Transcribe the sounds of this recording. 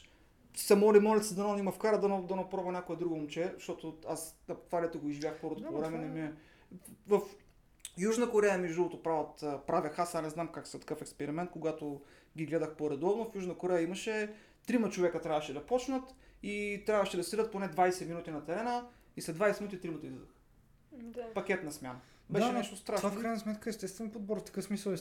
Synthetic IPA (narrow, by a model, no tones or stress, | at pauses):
sɐmɔlimɔlʲɛt̪səd̪ɐnonimɐfkaɾəd̪ɐnd̪ɐnopɾɔbɐnʲakoɛd̪ɾuɡoomt͡ʃɛʃt̪ɔt̪oasɐt̪vaɾɛt̪əɡoiʒivʲjaxpɔɾot̪povɾɛmɛnɛmiɛ | vɐf | juʒnəkoɾɛjəmɛʒd̪ulˠot̪opɾavət̪ːpɾavʲəxasanɛznamkaksɛt̪ɐ̥kɤfɛkspɛɾimɛnt̪̚koɡat̪o | ɡʲiɡlɛd̪əxpoɾɛd̪ɔvnofjuʒnəkoɾɛjəiməʃɛ | t̪ɾimət͡ʃovɛkət̪ɾʲavɐʃɛd̪ɐpɔt͡ʃnət̪it̪ɾʲjavəʃɛd̪ɐsiɾət̪̚ponɛd̪vajsɛminut̪ʲinɐt̪ɛɾɛnə | islɛd̪vajsɛminut̪it̪ɾimət̪ɐizid̪əx | pɐkʲɛt̪nɐsmʲjanə | bbɛʃɛnɛʃt̪ost̪ɾaʃfkkɾajnɐsmɛt̪kəɛst̪ɛst̪vɛnpod̪̚bɔɾft̪ɐ̥kɤfsmisəlˠ